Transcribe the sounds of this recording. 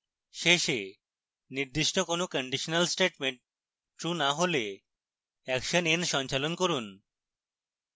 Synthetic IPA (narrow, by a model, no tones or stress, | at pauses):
ʃeʃe | niɾd̪iʃʈokonokəɳɖiʃonalsʈeʈmeɳʈ | ʈɾunaɦole | ɛkʃənenʃɔnt͡ɕalonkoɾun